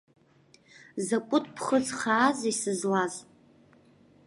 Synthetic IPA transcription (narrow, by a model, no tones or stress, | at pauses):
zakʷʼʊtʰʼpʰχət͡sʰʼχaːzisɨzlaz